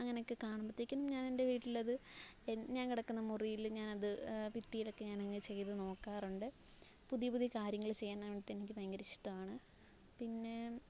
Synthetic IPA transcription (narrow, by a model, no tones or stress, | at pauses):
ɐŋːɐneokːɨkaːɳɐmpɐt̪ːikʲːunːumɲaːne̞nde̞ʋiːʈːilɐðɨenɲaːnkiɽɐkːunːɐmurijilɲaːnɐðɨpit̪ːijilo̞kːe̞ɲaːnɐŋːet͡ɕejit̪ɨno̞ːkːaːruɳɖɨ | puðijpuðikaːɾjɐŋːɐɭt͡ɕejːaːnːɐʋiʈːenikʲːɨpɐjɐŋɡɐɾiʂi̥ʈːɐmaːɳɨ | pinːe̞